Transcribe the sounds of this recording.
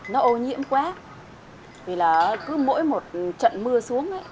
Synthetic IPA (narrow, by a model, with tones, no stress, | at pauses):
nɔ˨˦ʔo˧ɲḭ˧˥əmkwaː˨˦ | vʰi˨˩laː˨˩˨kɨ˨˦mo̰˧˥jmo˨˩t̚t͡ɕə̰˧˨nmɨ˧əsu˨˦əŋʔə˧˦j